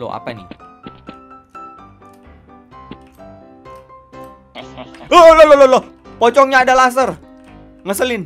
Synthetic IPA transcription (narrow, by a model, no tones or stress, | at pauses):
lo̰a̰pani | ololololo | pɔt͡ʃɔŋɲaːdalas̬ər | ŋəsəlɪn